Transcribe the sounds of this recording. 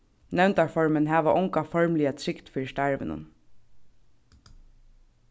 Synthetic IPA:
nɛwnt̪aɹfɔɹmɪnɦæːʋaʔʊŋkafɔɹmliat̪ʰɾɪkt̪fiːɾɪst̪aɹʋɪ̰nʊ̰n

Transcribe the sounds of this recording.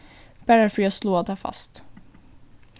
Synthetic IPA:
b̥æɾəfœɾjɑːsloːat̪ʰːɑːfa̰st̪

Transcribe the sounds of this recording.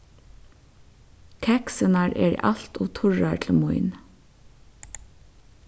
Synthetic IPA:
kʰɛksənɑɹʔḛːɾḭːʔɑlt̪ʊːt̪ʰʊɹɑtʰl̩mɔɪn

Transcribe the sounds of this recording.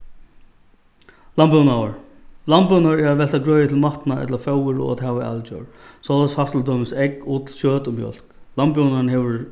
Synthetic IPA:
lampɔwnawəɹ | lampɔnaɹɛɹat̪vɛlt̪aɡɹœːjɪt̪ʰɪlmaht̪naʔɛ̰t̪lafœwɪɹɔ̰a̰t̪hɛʋaʔa̰lt͡ɕɔ̰ɹ | sɔlashast̪ld̪ɔːmɪsɛkuːt̪ʰɪlɕøːt̪ʊmjœ̰l̥klampjɔnanhɛʋɪɹ

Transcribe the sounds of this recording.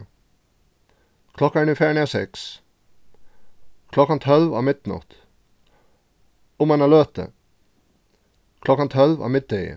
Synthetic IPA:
kʰlɔkɑɳɪfæːɳisɛks | kʰlɔkɑnt̪ʰɔlʋa̰ːmɪt̪nɑ̰t̪ | ʊmɛnɑløːt̪ə̰ | kʰlɔkɑnt̪ʰɔlʋa̰ːmɪt̪̚d̪eɪə̰

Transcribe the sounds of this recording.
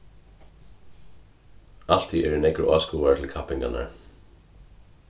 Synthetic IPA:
al̥t̪ʰiʔɛɾɪnɛkɾʊ̰ʔaːskuːʋaɹt̪ʰɪlkʰapɪŋka̰na̰ɹ

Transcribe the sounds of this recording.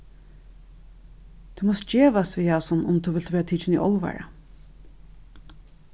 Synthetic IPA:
t̪ʰumɔst̪̚d͡ʒeːʋasʋiːasɔnʊmt̪ʰuʋɪlt̪ʋɛːɾat̪ʰiːt͡ʃɪnḭʔɔ̰lˠʋa̰ɹa̰

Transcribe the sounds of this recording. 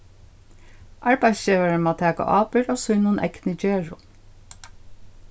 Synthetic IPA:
ʔɑɹbæɪsʃeːʋəɹəmɑːt̪ʰæːko̰ːʔɑːpəɹoːsʉnuːnʔɛ̰knəd͡ʒeːɹʊ

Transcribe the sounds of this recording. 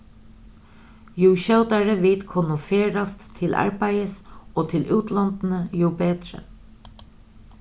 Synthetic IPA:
juːʃœwt̪aɹəʋɪːt̪kʰʊnʊfeːɾast̪ʰːɪlʔɑ̰ɹbæjəsoːt̪ʰɪlʔʉːt̪lɔnt̪n̩əjuːbeːt̪ɾə̰

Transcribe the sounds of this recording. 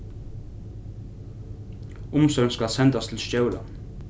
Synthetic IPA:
ʊmsœɾnskɑlsɛnd̪ɑst̪ʰl̩ʃjœʊlɑ̰

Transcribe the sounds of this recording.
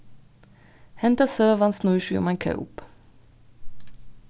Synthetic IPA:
hɛnt̪asøːʋansnuːʃy̰ːɔ̰mɛnkʰœ̰ʊp

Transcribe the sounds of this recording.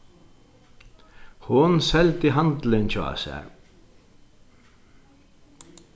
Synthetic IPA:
hʊnsɛlt̪ɪɦant̪lɪnt͡ʃʰa̰sɛ̰

